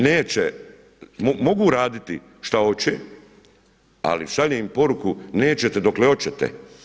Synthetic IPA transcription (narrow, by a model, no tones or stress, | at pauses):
neːt͡ʃe | momo̞ɡuɾaːd̪it̪i | ʃt̪ao̞t͡ʃe | a̰lḭsaʎeimpo̞ɾukune̞ːt͡ɕet̪ed̪o̞kleo̞t͡ɕet̪ɛ̰